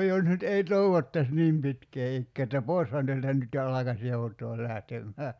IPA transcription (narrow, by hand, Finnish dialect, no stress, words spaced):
jos nyt ei toeʋotːɑs niːm pitkeː ikːeː etːæ poi̞shɑn teæltæ nyt jo ɑlɑkɑs joutoː læhtemːæː